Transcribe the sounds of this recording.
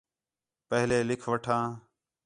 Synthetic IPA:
pəɦleːlɪkʰʋəʈʰãː

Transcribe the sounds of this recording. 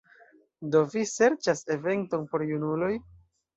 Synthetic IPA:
do̞vise̞ɾt͡ʃase̞ve̞nto̞npo̞ɾjunulo̞j

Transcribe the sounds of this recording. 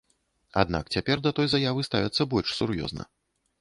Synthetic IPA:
a̰d̪na̰kt͡sʲapʲɛrd̪ɐt̪ɔjzajavɨst̪avʲɐt̪sːɐbɔlʲʂsʲurjɔ̰znɐ̰

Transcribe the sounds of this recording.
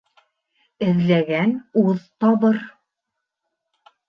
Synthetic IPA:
ɘ̆ðlæɡænuðt̪ɑβɤɾ

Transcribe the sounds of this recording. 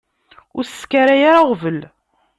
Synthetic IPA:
ʊɾsskaɾajaɾaʁvəl

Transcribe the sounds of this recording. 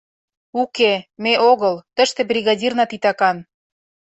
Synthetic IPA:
ukemeʔoɣɤlt̪əʃt̪ĕbrʲiɣɑdʲirnɑt̪it̪ɑkɑn

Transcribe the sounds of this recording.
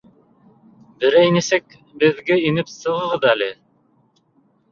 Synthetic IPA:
bɘ̆ɾæjnɘ̆sɘk | bɘ̆ðɡæinɘpsɤ̆ʁɤ̆ʁɤðælɘ

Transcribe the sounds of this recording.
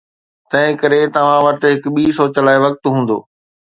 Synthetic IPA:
t̪ɐ̃ɦɪ̃kɐɾet̪ɐʋ̤ãʋɐʈɦɪkɓiːsoːt͡ɕəlaːeʋɐk̚t̪ɦũːn̆d̪o̰ː

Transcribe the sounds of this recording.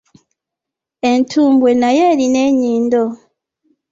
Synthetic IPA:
entʰuːmbwe̞najeɾineɲiːndo

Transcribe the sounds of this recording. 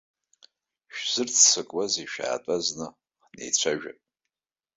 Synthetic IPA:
ʃᶣz̥ɨrt͡sʰsɨkʼwaziʃᶣa̰ːtʼaznɨ | nḛjt͡ɕʷʰaʒᶣa̰pʼ

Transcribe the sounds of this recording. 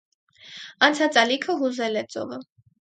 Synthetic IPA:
ɑnt͡sʰɑt͡sɑlikʰəɦuzɛlɛt͡sʼɔ̰və

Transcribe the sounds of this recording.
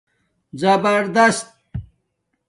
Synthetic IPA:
zɐbɐɾd̪ɐst̪̚

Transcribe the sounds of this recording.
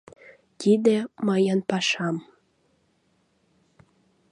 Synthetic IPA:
t̪id̪emɑjənpɑʃɑm

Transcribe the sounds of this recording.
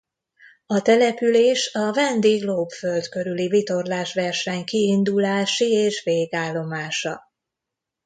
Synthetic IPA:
ɒt̪ɛlɛpyleːʃɒvɛnd̪eːɡloːpfø̞ld̪kø̞ɾylivit̪o̞rlaːʃʋɛrʃɛɲkiːnd̪ulaːʃieːʃʋeːɡaːlːo̞maːʃɒ

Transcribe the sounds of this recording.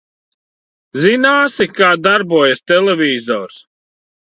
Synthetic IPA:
zinaːsikaːd̪aɾbuɔjast̪ɛlɛvʲiːzɔːɾs

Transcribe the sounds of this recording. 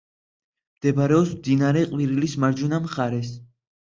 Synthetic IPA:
md̪̥ɛbɾɛɔpsmd̪inaɾɛqʼwiɾilismaɾd͡ʒunamχaɾɛs

